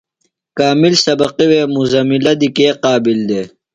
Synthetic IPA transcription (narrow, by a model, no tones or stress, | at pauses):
kaːmilsɐbɐqiweːmuzɐmilɐd̪ikeːqɑːbild̪eː